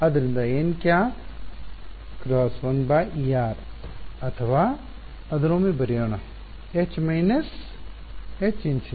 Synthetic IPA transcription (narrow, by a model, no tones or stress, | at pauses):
ɐd̪ɾind̪aenkjaː | kɾɔːsʋɐnbaʔijaːɾɐt̪ʰɐʋaː | ɐd̪ɾoːmibɐɾijoːnɐ | et͡ʃmɐinɐs | et͡ʃinsʰi